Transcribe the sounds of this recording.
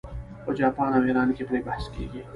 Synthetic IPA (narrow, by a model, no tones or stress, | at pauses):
oːd͡ʒaːpaːnɐweːɾaːnkipɾeːbɐhskḭːɡiː